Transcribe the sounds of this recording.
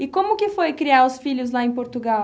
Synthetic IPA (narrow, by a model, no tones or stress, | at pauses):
ɪkõmʊkɪfojkɾiaɾʊsfiʎʊzlaẽj̃poɾt̪uɡaw